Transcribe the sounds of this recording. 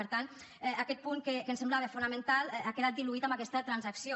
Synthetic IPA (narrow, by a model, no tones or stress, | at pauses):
əɾt̪an | ɛakɛt̪̚puŋkekensemblaβefunamẽnt̪alɛakeðat̪̚d̪iluit̪amakɛst̪ət̪ɾanzaksijo